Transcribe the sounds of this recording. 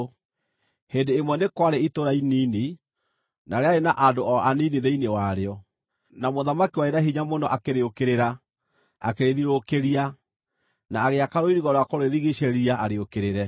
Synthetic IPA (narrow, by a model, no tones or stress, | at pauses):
hendeːmwɛnekwaɾeitoɾainiːni | naɾeaenaʔadoɔaniniðeinewaɾeɔ | namoðamakiwaenaɦiɲamonɔʔakeɾeokeɾeɾa | a̰keɾeðiɾokeɾia | naːɣeakaɾoiɾiɣɔɾɔakoɾoeɾiɣiɕeɾiaaɾeokeɾeɾɛ